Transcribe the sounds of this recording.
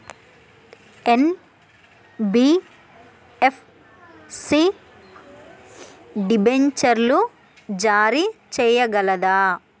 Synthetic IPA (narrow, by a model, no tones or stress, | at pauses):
en | bi | epʰ | si | ɖibeɲt͡ʃɐɾlu | d͡ʒaːɾit͡ʃɛːjɐɡɐlɐd̪aː